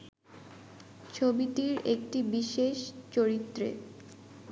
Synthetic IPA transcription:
t͡ɕʰobiʈiɾek̚ʈibiʃeʃt͡ɕoɾit̪ːɾḛ

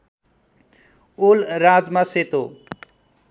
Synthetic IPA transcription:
olrad͡zmaset̪o

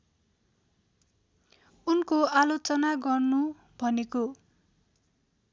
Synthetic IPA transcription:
unkoalot͡sʌnaɡʌrnu | bʱʌneko

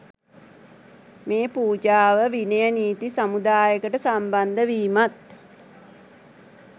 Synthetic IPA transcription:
meːpuːd͡ʒaːʋəʋinəjəniːt̪isamud̪aːjəkəʈəsamband̪əʋiːmat̪̚

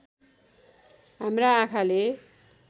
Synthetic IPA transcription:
ɦamraːkʰale

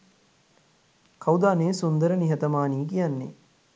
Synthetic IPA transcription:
kʰɐwd̪aːneːsund̪əɾəniɦɐt̪ɐmaːniːkijanːḛ

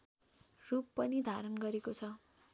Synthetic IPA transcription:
rupːʌnid̪ʱaɾʌnɡʌɾekot͡sʰʌ

